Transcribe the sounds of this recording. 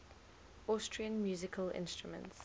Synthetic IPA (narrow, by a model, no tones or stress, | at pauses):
ɔˑstʰɹiə̃nmjuːzɪkʰəlɪ̰̃nstɹ̥umə̰̃nts